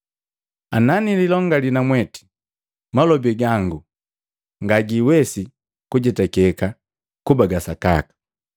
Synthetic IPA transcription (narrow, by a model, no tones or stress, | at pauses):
ananililɔŋɡalinamwɛti̥ | malɔbɛɡaŋɡu | ŋɡaɡiwɛsi | kuɟɛtakɛka | kubaɡasaka̰kḁ